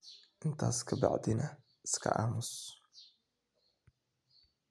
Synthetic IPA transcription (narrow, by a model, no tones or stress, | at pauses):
ʔɪnt̪ʰa̰ːskʰɐba̰ʕd̪ɪnɐ | ɪ̥skʰɐ̰ʔaːmʊs